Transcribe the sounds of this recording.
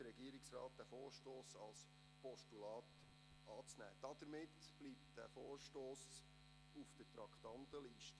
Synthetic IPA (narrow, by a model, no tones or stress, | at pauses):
əɾɛɡiəɾɪksrɑ̰ːt̚d̪̥æfoːɾʃtoːsɑls | pɔʃtulɑːt | ɑːt͡snæ̰ːd̥ɑd̥əɾmɪtb̥lip̚td̥æ̰ːfoːrʃtoːs | ufd̥ətɾɑkχt̪ɑntəliːʃtə